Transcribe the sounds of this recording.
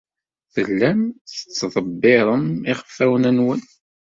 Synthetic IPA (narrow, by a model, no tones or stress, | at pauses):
θəlːæmθət͡sːðˤəbːɪɾˤəmɪχə̥fːæwənænwən